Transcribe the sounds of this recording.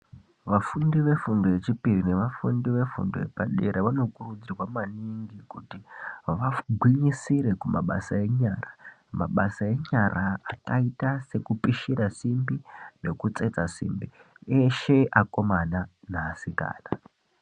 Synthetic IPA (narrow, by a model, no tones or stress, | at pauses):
ʋafundiʋe̞fundoje̞t͡ʃipirine̞ʋafundiʋe̞fṵndo̰epaɗe̞ɾeʋano̞kurud͡zirwamaniŋɡikutiʋaɡʱwiɲisiɾe̞kumaɓa̰sae̞ɲaːra | maɓasae̞ɲaraːkaitase̞kupiʃiɾasimbine̞kut͡set͡sasḭmbieʃe̞ʔako̞mananasika̰ːna